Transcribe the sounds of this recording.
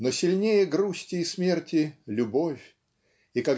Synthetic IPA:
nosʲɪlʲnʲejəɡɾusʲtʲɪːsmʲe̞rtʲɪlʲʊbofʲ | ika

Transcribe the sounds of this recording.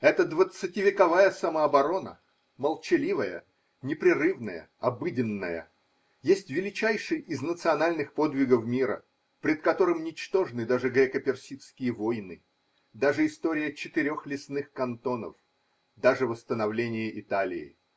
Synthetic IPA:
ɛt̪əd̪vət̪sɨtʲɪvʲɪkɐvajəsɐməɐbɐɾo̞nə̰ | məlˠt͡ɕɪlʲivəjə̰ | nʲɪpɾʲɪrɨvnəjə̰ | ɐbɨdʲɪnːəjə̰ | jesʲtʲvʲɪlʲɪt͡ɕæjʂɨjɪznət̪sɨɐnalʲnɨxpo̞d̪vʲɪɡəfmʲiɾə̰ | pɾʲɪt̪kɐt̪o̞ɾɨmnʲɪt͡ɕt̪o̞ʐɨnɨd̪aʐɨɡɾʲekəpʲɪrsʲit̪skʲɪjəvo̞jnɨ | d̪aʐɨɪst̪o̞ɾʲɪjət͡ɕɪt̪ɪɾʲo̞xlʲɪsnɨxkɐnt̪o̞nə̰f | d̪aʐɨvəst̪ənɐvlʲenʲɪjəʔɪt̪alʲɪ̰ɪ̰

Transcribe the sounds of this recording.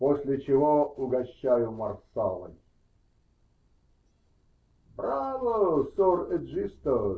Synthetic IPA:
posʲlʲɪt͡ɕɪvoʊɡɐɕːajʊmɐrsa̰lˠə̰nʲ | bɾavəsorɛd̪ʐist̪ə

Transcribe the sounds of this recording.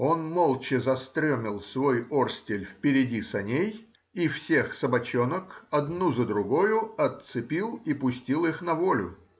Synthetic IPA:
o̞nmolˠt͡ɕɪzɐst̪ɾʲomʲɪlˠsvojorsʲtʲɪlʲfpʲɪɾʲɪdʲisɐnʲej | ifsʲe̞xsəbɐt͡ɕonəkɐd̪nuzəd̪ɾʊɡojʊɐt̪sɨpʲilˠipʊsʲtʲilˠixnɐvolʲʊ̰

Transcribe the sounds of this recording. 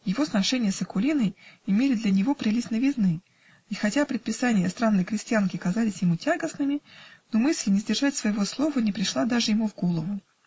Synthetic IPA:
jɪvo̞snɐʂɛnʲɪjəsəkʊlʲinəjɪmʲelʲɪd̪lʲɐnʲɪvo̞pɾʲɪlʲisnəjvʲɪznɨi | ixɐtʲaɐpɾʲɪt̪̚pʲɪsanʲɪjəst̪ɾanːəjkɾʲɪsʲtʲjankʲɪɐkɐzalʲɪsʲjɪmutʲaɡəsnɨmʲɪnomɨsʲlʲɪnʲɪzdʲɪrʐatʲsvəjɪvo̞slˠo̞vənʲɪpɾʲɪʂlˠad̪aʐɨjɪmuvɡo̞lˠəvʊ

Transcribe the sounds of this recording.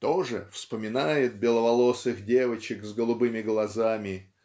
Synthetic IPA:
t̪oʐɨ̰fspəmʲɪnajɪt̪̚bʲɪlˠəvɐlˠo̞sɨxdʲe̞vət͡ɕɪkzɡəlˠʊbɨmʲɪɡlˠɐzamʲɪ

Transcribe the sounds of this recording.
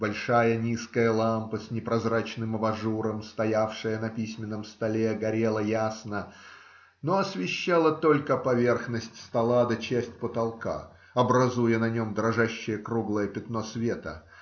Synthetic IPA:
bɐlʲʂajənʲiskəjəlˠampəsʲnʲɪpɾɐzrat͡ɕnɨmɐvɐʐuɾəmst̪ɐjafʂɨjənɐpʲisʲmʲɪnːəmst̪ɐlʲeɡɐɾʲe̞lˠəjasnə | noɐsvʲɪɕːalˠət̪o̞lʲkəpɐvʲe̞rxnəsʲtʲst̪ɐlˠad̪ɐt͡ɕesʲtʲpət̪ɐlˠka̰ | ɐbɾɐzujənɐnʲo̞md̪ɾɐʐaɕːɪjəkɾuɡlˠəjəpʲɪt̪no̞svʲe̞t̪ə̰

